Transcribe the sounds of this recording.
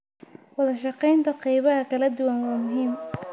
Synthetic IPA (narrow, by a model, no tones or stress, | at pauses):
wɑðɐʃɑqɛjnt̪ʰɐqɑjβɐɦɐkʰɐlɐd̪ʊwanwaːmʊɦiːm